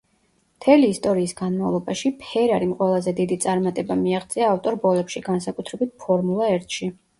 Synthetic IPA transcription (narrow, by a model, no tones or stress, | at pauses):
mt̪ʰɛliːst̪ʼɔɾiːsɡanmavlˠɔbaʃipʰɛɾaɾimqʼwɛlˠazɛd̪id̪it̪sʼaɾmat̪ʼɛbamiaʁd̪zʼiaːft̪ʼɔɾbɔlɛpʃiɡansakʼut̪ʰɾɛbit̪̚pʰɔɾmulˠaɛɾt̪ʰʃi